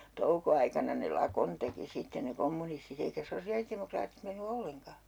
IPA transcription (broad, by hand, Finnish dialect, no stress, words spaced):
toukoɑikɑnɑ ne lɑkon teki sitːe ne komːunistit eikæ sosiɑlitemokrɑːtit menːy olːeŋkɑ